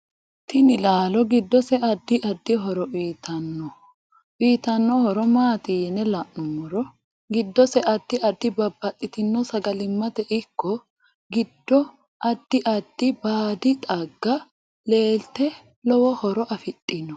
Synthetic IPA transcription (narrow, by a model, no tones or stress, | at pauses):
t̪ɪnɪlaːlɔɡɪd̪ːɔsɛɐd̪ːɪʔɐd̪ːɪɦɔɾɔʔiːt̪ʰɐnːɔ | ʔiːt̪ɐnːɔhɔɾɔmaːt̪ijnɛlɐʔʊmɔɾɔ | ɡɪd̪ːɔsɛʔɐd̪̥ːɪʔɐd̪ːɪbɐbːɐt̪ʼːɪt̪ɪnːɔsɐɡɐlɪmːɐt̪ɛʔɪkːɔ | ɡɪd̪ːɔ | ʔɐd̪̥ːɪʔɐd̪̥ːɪbaːd̪ɪt̪ʼɐɡːɐ | le̞ːlt̪ɛ | lɔwɔhɔɾɔʔɐfɪt̪ʼːɪnːɔ